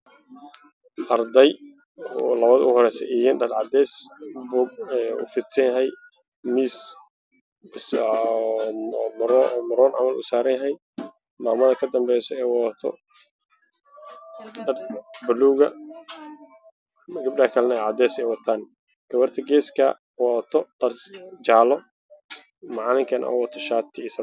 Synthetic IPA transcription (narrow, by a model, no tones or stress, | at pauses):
ʔɐrd̪ɛj | ɔlɐβɐðʊɦɔɾɛjsɛ̰ʔijɪnɖɐd̪ʕɑd̪ɛːsbɔɛʊ̰fɪt̪sɐjɐɦɛj | miːs | s | mɾɔmɐɾɔːnʕɑ̰mɐlʊsaːɾɐjɐɦɛj | maːmɐðɐkʰɐd̪ɐmbɛjsɔɛːwɔt̪ʰɔ̰ | ɐbɐluːɣɐ | ɡɐb̚ɖɐɐkʰɐlnɐɛʕɑd̪ɛːsɛjwɐt̪ʰaːn | ɡ̥ɐwɐrt̪ʰɐɡɛːskʰɐ̰ | wɔt̪ʰɔɖ̥ɐrt͡ʃaːlɔ | mɑʕlɪŋkʰɐnʔɔ̰wɐt̪ʰɔʃaːt̪ʰɪɪs